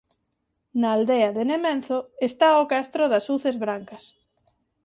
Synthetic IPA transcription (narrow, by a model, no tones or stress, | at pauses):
naːld̪eɐðenemẽnθoest̪aokast̪ɾoðɐsuθezβɾaŋkɐs